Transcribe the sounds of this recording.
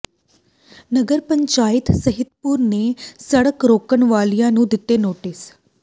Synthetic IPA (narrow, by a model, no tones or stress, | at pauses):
nəɡəɾpə̃ɲt͡ʃaːɪt̪səɦɪt̪pʊɾnesəɽəkɾoːkəɳʋaːlijãnũd̪ɪt̪ːenoːʈɪs